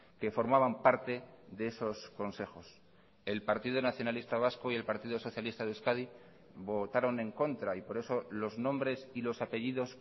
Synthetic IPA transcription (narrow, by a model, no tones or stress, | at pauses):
ke̞fo̞ɾmaβampaɾt̪e̞ðe̞eso̞sko̞nse̞xo̞s | e̞lpaɾt̪iðonaθjo̞nalist̪aβ̞askoie̞lpaɾt̪iðoso̞θjalist̪aðeskaði | βo̞t̪aɾo̞nẽ̞ŋko̞nt̪ɾaipo̞ɾe̞so̞lo̞znõ̞mbɾe̞silo̞sape̞ʝiðo̞s